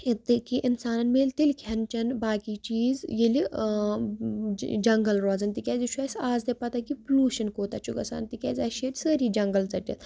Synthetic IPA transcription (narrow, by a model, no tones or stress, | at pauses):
it̪ɨkiʔinsaːnɐnmeːlʲt̪ilʲkʰɐnt͡ʃɐnbaːkiːt͡ʃiːzjili | d͡ʒɐŋɡɐlɾoːd͡zɐnt̪ikʲɛːzit͡ʃʰuaːsʲaːzd̪epɐt̪akipluːʃɐnkoːt̪at͡ʃʰukɐsa̰ːnt̪ikʲɛ̰ːzaːʃeːʈʲsəːɾiːd͡ʒɐŋɡɐlt͡sɐʈʲḭt̪